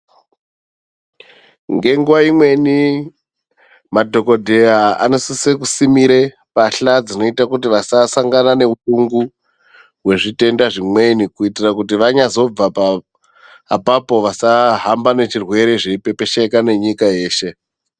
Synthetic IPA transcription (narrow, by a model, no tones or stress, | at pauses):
ŋɡe̞ŋɡuʋaimwe̞ni | madʱo̞ko̞dʱe̞aa̰nosisekusimiɾe̞ | paɬad͡zino̞itakut̬iʋasasaŋɡanane̞utuŋɡu | ɦwe̞ʐite̞ndaʐimwe̞nikuitirakut̬iʋaɲazo̞b͡vapaː | papo̞ʋasaɦambane̞t͡ʃirwe̞ɾe̞ʐe̞pe̞pe̞ʃekane̞ɲikaje̞ːʃe̞